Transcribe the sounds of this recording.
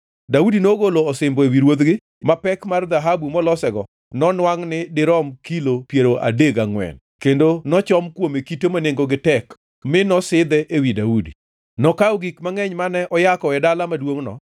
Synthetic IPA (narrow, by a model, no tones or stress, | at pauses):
daudinoɡoloːsɪmbɔewiɾwod̪ɡɪ | mapɛkmard̪aɦabumɔlɔsɛɡɔ | nɔnwaŋnɪdɪɾɔmkilopjeɾoʔa̰deɡaŋwɛ̰n | kendonɔt͡ʃɔmkwomekitomaneŋɡoɡɪtɛk | mɪnɔsɪd̪ɛʔewidaudi | nɔkawɡikmaŋɛɲmanɛʔɔjakɔɛdalamadwoŋnɔ̰